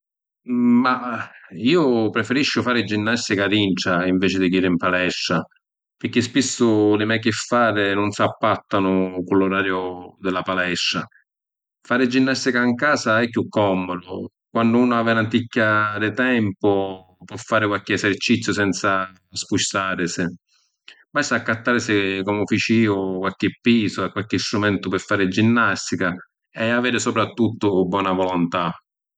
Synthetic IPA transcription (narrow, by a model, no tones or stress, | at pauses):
ma | iːʊpɾɛfeɾiʃːʊfaːɾɪd͡ʒinːast̪ɪkadint͡ʃaiɱvɛːt͡ʃɪd̪ikiːɾɪimpalɛʃːa | pɪɾk̟ːɪspisːʊlɪmɛkːɪfːaːɾɪnʊnsapːat̪ːanʊkʊlːʊɾaːɾjʊd̪ɪlapalɛʃːa | faːɾɪd͡ʒːinːast̪ɪkaŋkaːsaɛkːjukːɔmːod̪ʊ | kwandʊuːnʊavanat̪ikːadɪt̪ɛmpʊ | pwɔfːaːɾɪkwalk̟ɪɛsɛrt͡ʃit̪sjʊsɛnt̪sa | spuʃt̪aːɾɪsɪ | bast̪akːat̪ːaːɾɪsɪkɔmʊfit͡ʃiːʊkwalk̟ɪpːiːsoakːwalk̟ɪst̪ɾumɛnt̪ʊpɪfːaːɾɪd͡ʒinːast̪ika | ɛaveːɾɪsɔpɾat̪ːut̪ːʊbːwɔːnavɔlʊnt̪a